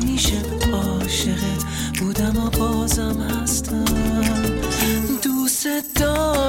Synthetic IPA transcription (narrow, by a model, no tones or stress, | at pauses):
miːʃe | ɒː | ʃeʁet̪ʰ | b̥uːd̪æmɔbɒːzæmhæst̪ʰæm | d̪used̪̥ɔː